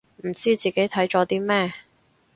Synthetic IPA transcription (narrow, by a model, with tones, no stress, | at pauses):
m̩˨˩t͡siː˥t͡siː˨ke˨˥jt̪ʰɐ˨˥jt͡ʃɔː˨˥t̪iː˥mɛː˥